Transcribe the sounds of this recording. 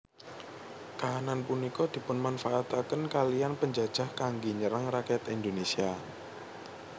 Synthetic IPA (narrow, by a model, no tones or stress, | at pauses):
kaɦananpunikɔd̪̥i̤pʊnmanfaʔːt̪akənkalijanpəɲd͡ʒad̥ʒ̥a̤hkaŋɡiɲəɾaŋrakɛt̪ind̪onesia